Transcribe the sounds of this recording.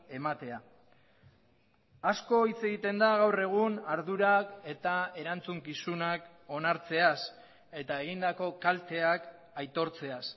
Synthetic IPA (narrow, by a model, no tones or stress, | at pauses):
e̞mat̪e̞a | asko̞it͡se̞ɣit̪e̞nd̪aɣ̞awre̞ɣ̞unaɾðuɾake̞t̪ae̞ɾant͡suŋkisunak | o̞naɾt͡se̞as | e̞t̪aeɣ̞ind̪ako̞kalt̪e̞ak | ajt̪o̞ɾt͡se̞as